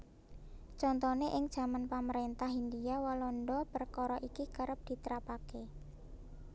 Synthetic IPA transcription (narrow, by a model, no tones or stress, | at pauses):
t͡ʃɔnt̪ɔneʔɪŋd̥ʒ̥a̤manpaməɾent̪ahɦindiawɔlɔnɖɔpərkɔɾɔʔikikəɾəp̚d̪̥i̤t̪əɾapake